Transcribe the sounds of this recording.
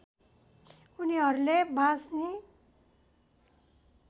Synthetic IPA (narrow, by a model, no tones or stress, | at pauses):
uniɦʌɾulebʱãsne